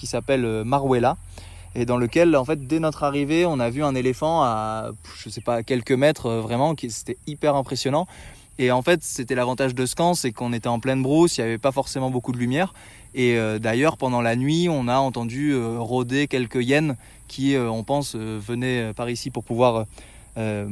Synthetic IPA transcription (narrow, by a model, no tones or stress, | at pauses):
kʲisapɛlømaʁwela | ed̪ɑ̃ləkʲɛlɑ̃fɛt̪̚d̪ɛnɔt̪χaʁiveɔ̃navyɛ̃nelefɑ̃aʒ̥əsɛpakʲɛlkəmɛt̪χøvʁɛmɑ̃kʲise̥t̪ɛipɛʁɛ̃pχesjɔnɑ̃ | eɑ̃fɛt̪set̪ɛlavɑ̃t̪aʒd̪əskɑ̃sɛkɔ̃net̪ɛɑ̃plɛ̃nbʁusijavɛpafɔʁsemɑ̃bokud̪əlymjɛːʁ | eød̪ajœʁpɑ̃d̪ɑ̃lanɥiɔ̃naɑ̃t̪ɑ̃d̪yøʁod̪ekʲɛlkəjɛn | kʲʰiøɔ̃pɑ̃søvənɛøpaʁisipuʁpuvwaʁø | ø